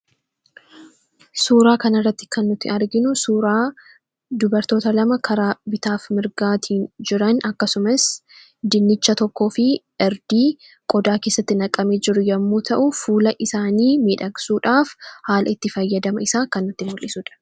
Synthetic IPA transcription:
suːɾaːkɐnɐrːɐt̪ːɪ̥kɐnːʊt̪ːɪ̰ɐɾɡɪnʊsuːɾaː | d̪ʊbɐɾt̪o̞ːt̪ɐlɐmɐkʰɐɾaːbɪt̪aːfmɪɾɡaːt̪ʰiːnd͡ʒɪɾɐnɐkːɐsʊmɐs | d̪ɪnːɪt͡ʃːɐt̪ɔkːo̞ːfɪ | ɛɾd̪iː | kʼɔd̪aːke̞ːsːɐt̪ːɪnɐkʼːɐme̞ːd͡ʒɪɾʊjɐmːuːt̪ʰɐʔʊfuːlɐʔɪsaːniːmiːᶑɐɡsuːᶑaːfhaːlɐ̰ɪt̪ːɪfɐjːɐd̪ɐmɐɪsaːkɐnːʊt̪ːɪmʊlʔːɪsuːᶑɐ̥

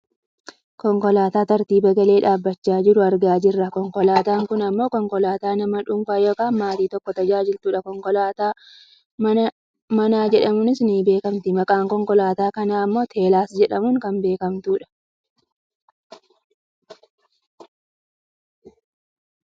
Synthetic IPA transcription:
kɔŋkɔlaːt̪aːt̪ɐɾt̪iːbɐɡɐle̞ːᶑaːbːɐt͡ʃːaːd͡ʒɪɾʊɐɾɡaːd͡ʒɪrːɐkɔŋkɔlaːt̪aːŋkʊnɐmːo̞ːkɔŋkɔlaːt̪aːnɐmɐᶑʊŋkaːjoːkaːnmaːt̪iːt̪ɔkːɔt̪ɐd͡ʒaːd͡ʒɪlt̪uːᶑɐkɔŋkɔlaːt̪aː | mɐnaːd͡ʒɛᶑɐmʊnɪsnɪbe̞ːkɐmt̪ɪmɐkʼaːŋkɔŋkɔlaːt̪aːkɐnaːɐmːo̞ːt̪ʰe̞ːlaːsd͡ʒɛᶑɐmʊŋkɐnbe̞ːkɐmt̪uːᶑɐ̥

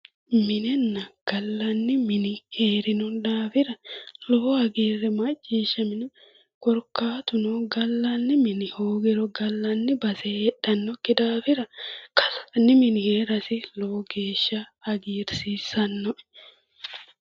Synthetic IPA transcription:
mɪnɛnːɐɡ̥ɐlːɐnːɪmɪnɪheːɾɪnʊd̪aːfɪɾɐlohɐɡiːrːɛmɐt͡ʃʼːiːʃːɐmɪnɛ | kɔɾkaːt̪ʊnoɡɐlːɐnːɪmɪnɪhoːɡɪɾɔɡɐlːɐnːɪbɐsɛɛᶑɐnːɔkːɪd̪aːfɪɾɐkɐsɐnːɪmɪnɪheːɾɐsɪloːɡe̞ːʃːɐɐɡiːɾsiːsɐnːɔʔɛ̥

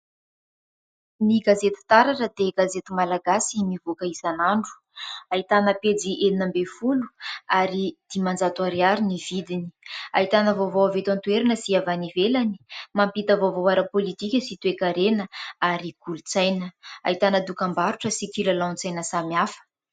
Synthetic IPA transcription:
niɡazet̪i̥t̪aɾaʈ͡ʂəd̪eɡazet̪imalaɡasimivukəizanaɳɖ͡ʐu̥ | ait̪anəped͡ziʔeninambefulu̥aɾid̪̥imand͡zat̪uaɾeaɾinivid̪ini̥a̰it̪anəvovoavet̪ant̪ueɾinəsiavanivelani̥mampit̪əvovoaɾəpolit̪ikʲəsit̪uekaɾenəaɾiɡ̥ulut͡sajnəa̰it̪anəd̪ukambaɾuʈ͡ʂəsikilalawnt͡sajnəsamiafə̥

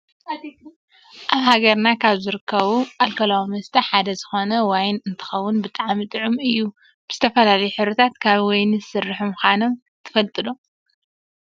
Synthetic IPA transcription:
ʔaβhaɡɐɾnakʰaβzɨɾɨkʰːɐβuʔalkʰɐlawimɐst̪ʰɐħad̪ɐzɨxo̞nɐwajnɨnt̪ʰɨ̥xɐwːʊnbɨt̪ʼaʕmit̪ʼɨʕumɨjːu | b̥ɨz̥ɨt̪ʰɐfɐlalɐjuħɨβɾɐt̪ʰat̪kʰaβwɔjnɨsɨrːɨħumxanom | t̪ʰɨ̥fɐlt̪ʼɨd̪o

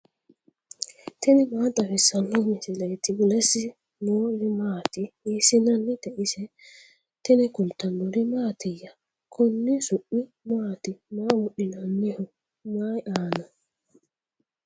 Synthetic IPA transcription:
t̪ɪnɪmaːt̪ʼɐfɪsɐnːʊmɪsɪlet̪ɪbʊlɛsɪ | noːɾɪmaːt̪ɪiːsɪnɐnːɪt̪ɛʔɪsɛ | t̪ɪnɪkʊlt̪ɐnːʊɾɪmaːt̪ɪjːɐ | kʰʊnːɪsʊʔːɪ | maːt̪ɪmaːmʊɗɪnanːɪhʊ | maːjʔaːnɐ

